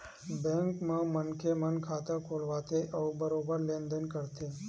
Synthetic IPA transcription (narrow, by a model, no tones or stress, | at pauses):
bẽŋkmãmənkʰemənkʰaːt̪əɾkʰolʋat̪ʰeʔəʋbəɾobəɾlẽnd̪ənkəɾt̪ʰe